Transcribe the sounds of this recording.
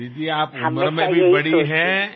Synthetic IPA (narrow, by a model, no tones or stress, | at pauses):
it̪iaːpməɾmẽbʱibɐɽiɦɛ̃